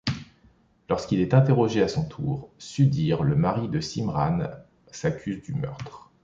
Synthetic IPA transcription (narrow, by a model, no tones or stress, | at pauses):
lɔʁskilɛt̪ɛ̃t̪eʁɔʒeasɔ̃t̪ʰuːʁsyd̪iʁləmaʁid̪əsimʁan | sakʲʰyzd̪ymœ̰ʁt̪χ